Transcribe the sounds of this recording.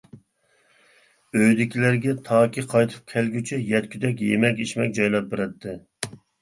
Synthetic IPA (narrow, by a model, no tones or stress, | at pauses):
øjd̪ɪkʲʰilæɾɡʲɛt̪ʰɑːkʲiqʰɑjt̪ʰɨ̥p̚kʲʰɛlɡʲyt͡ʃʰɛjɛt̪̚kʲʰyd̪ɛk̬ʲjemɛkʲiʃmɛk̚ʲd͡ʒɑjlˠɑp̚beɾɛt̪ʰːɪ